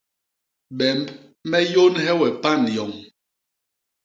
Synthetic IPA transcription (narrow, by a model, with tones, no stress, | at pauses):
ɓɛ˨mb | mɛ˦jo˦nɦɛ˦wɛ˨pa˦˨njɔ˨ŋ